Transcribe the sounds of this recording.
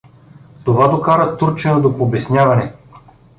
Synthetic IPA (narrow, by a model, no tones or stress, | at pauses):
t̪ovad̪okaɾət̪uɾt͡ʃɛnəd̪opobɛsnʲjavɐnɛ